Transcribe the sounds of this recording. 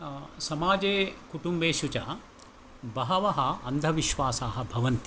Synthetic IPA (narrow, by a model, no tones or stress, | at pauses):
sɐmaːd͡ʒeːkuʈumbeːʃut͡ʃa̰ | bɐɦɐʋɐɦɐɐnd̪ʱɐʋiʃʋaːsaːɦɐ̆bʱɐʋɐnt̪i